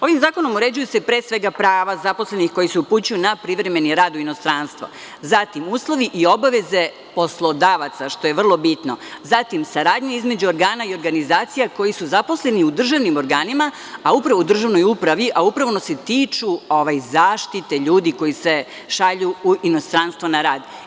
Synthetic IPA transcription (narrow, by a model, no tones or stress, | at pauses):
o̞ʋimzaːko̞no̞muɾe̞d͡ʑujuse̞pɾeːsʋe̞ɡapɾaːʋazapo̞sle̞nixko̞jiseuput͡ɕujunapɾiʋɾe̞me̞niɾaːd̪uino̞st̪ɾaːnst̪ʋo̰ | zat̪imuːslˠo̞ʋiʔio̞baʋe̞ze̞ | po̞slˠo̞d̪aːʋat̪saʃt̪o̞je̞ʋr̩lˠo̞bit̪no̞̰zat̪imsaɾaːd̪ɲeizme̞d͡ʑuo̞ɾɡaːnaio̞ɾɡanizaːt̪sijako̞jisuzapo̞sle̞niud̪r̩ʒaʋnimo̞ɾɡaːnima | aupɾaʋoud̪r̩ʒaʋno̞jupɾaʋiʔaupɾaʋo̞nose̞t̪iːt͡ʃuoʋajzaːʃt̪it̪e̞ʎuːd̪iko̞jise̞ | ʃaʎuuʔino̞st̪ɾanst̪ʋo̞naɾaːd̪